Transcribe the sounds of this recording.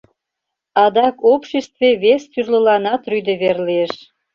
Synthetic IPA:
ɑd̪ɑkopʃest̪veβest̪yrlə̆lɑnɑt̪ryd̪eβerlieʃ

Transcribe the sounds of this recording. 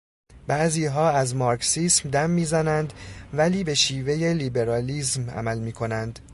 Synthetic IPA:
b̥æʔziːɦɒːæzmɒɾksiːsmd̪æmːiːzænænd̪væliːbe̞ʃiːve̞je̞liːbe̞ɾɒːliːsmæ̰mælmiːkʰo̞nænd̪̥

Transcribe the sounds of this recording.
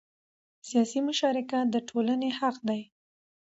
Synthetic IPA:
sijɑsimʊʃɑɾɪkad̪əʈʰolanehaqd̪aj

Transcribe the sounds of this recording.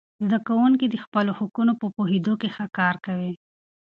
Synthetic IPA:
zd̪akawuŋkid̪əxpəlohʊkunopəpoɦed̪okexakɑɾkawi

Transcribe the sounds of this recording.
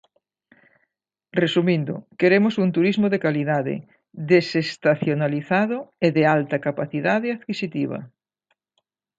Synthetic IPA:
resumĩnd̪ʊ̰keɾemosunt̪uɾizmoðekaliðaðḛ | ðesest̪aθjonaliθaðʊeðealt̪ɐkapaθiðaðɪaðkisit̪iβ̞ɐ̰

